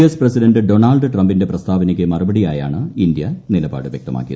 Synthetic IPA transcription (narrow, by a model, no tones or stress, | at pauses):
esprɐsidɐndɨɖo̞ɳaːlɖɨʈrɐmbinde̞prɐst̪ʰaːbɐnɐkʲːɨmɐrubɐɽijaːja̰ːɳɨind̪jɐnilɐba̰ːɽɨʋjḛk̚t̪ɐma̰ːkːijɐð